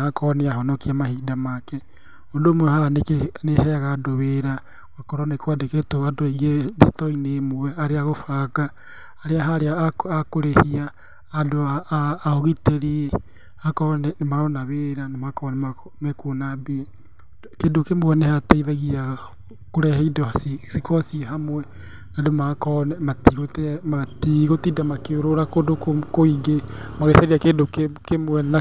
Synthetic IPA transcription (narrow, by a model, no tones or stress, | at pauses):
akʰɔɔneaɦɔnɔkiamahidamakɛ | odomwɛhaɾanekenehɛɣaːdoβeɾa | wakɔɾɔnekwadeketoadoeɣiedetɔinemowɛaɾeaɣofakaː | ɾeaɦaɾeakakoɾehiaː | doaːoɣiteɾie | akɔnɛmaɾɔnaβeɾanemakɔnema | mɛkonabe | kedokemoɛnɛhataiðɛɣia | koɾɛhɛidɔsisikɔsiɛɦamwɛ | adomakɔnɛmatiɣotematiɣotidamakeoɾoɾakodokokoiŋɡemaɣesaɾiakedokekemoɛna